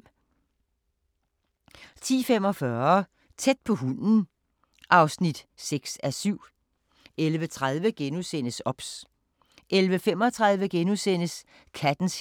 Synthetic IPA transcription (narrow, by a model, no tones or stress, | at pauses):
t͡sʰḭːfem̰ɒ̽fɶɐɐ | t͡sʰed̥̚pʰɒ̽ɦun̰n̩ | ʔɑ̈ʊsnid̥seɡ̥sæsyʊ̰ | elʋət͡sʰʁað̞ˠʋəɡ̥enusen̰əsɒ̽b̥s | ʔelʋəfem̰ɒ̽t͡sʰʁað̞ˠʋəɡ̥enusen̰əs | kʰæd̥n̩s